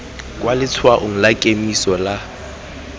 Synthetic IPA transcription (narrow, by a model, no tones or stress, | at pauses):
kʼwalɪt͡sʰwaʔʊŋ̩lakʼemisɔla